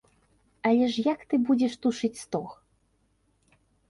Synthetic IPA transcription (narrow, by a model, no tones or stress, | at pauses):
ɐlʲɛʂjakt̪ɨbud͡zʲɛʂt̪uʂɨt͡sʲst̪ɔx